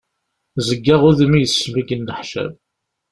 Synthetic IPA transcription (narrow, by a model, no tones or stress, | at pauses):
zəɡːaʁʊðimijəsːviɡənːəħʃæ̰v